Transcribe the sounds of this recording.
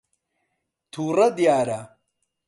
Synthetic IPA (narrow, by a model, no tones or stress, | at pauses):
t̪ʰuːrɐd̪ijaːɾa